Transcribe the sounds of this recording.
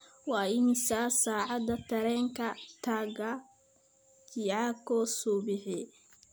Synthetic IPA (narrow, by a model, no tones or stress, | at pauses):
wɑːɪnsaːsaːʕɑd̪ɐt̪ʰɐɾɛːŋkʰɐt̪ʰaːɣɐ | t͡ʃiʕakʰɔsuːbɪħɪ